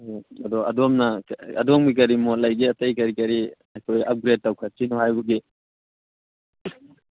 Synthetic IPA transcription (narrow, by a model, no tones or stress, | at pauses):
ɐdɔɐ̰domnɐɐ̰doŋbikɐɾimolɐjɡiɐtɐjkɐɾikɐɾi | ɐjkʰojɐp̚ɡɾed̚ːawkʰɐsinuɦajbuɡi